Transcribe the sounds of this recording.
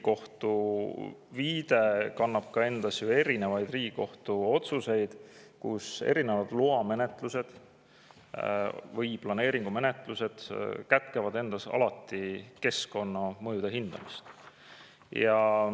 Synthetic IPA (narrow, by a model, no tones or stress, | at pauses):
ko̞ht̪u | viːd̪̥e̞kɑnːɑb̥̚kɑe̞nd̪̥ɑsjue̞ɾine̞vɑjd̪̥riːɡiko̞ht̪uo̞t̪suse̞jd̪̥ | kṵse̞̰ɾine̞vɑd̪̥luɑme̞net̪ˑluse̞d̪̥ | vɤjplɑne̞ːɾiŋɡ̥ume̞ne̞t̪ˑluse̞d̪̥kæt̪ˑkevɑd̪e̞nd̪̥ɑsɑ̰lɑt̪ːˑike̞sko̞nːɑmɤjud̪̥eɦind̪̥ɑ̰mist̪ | jɑ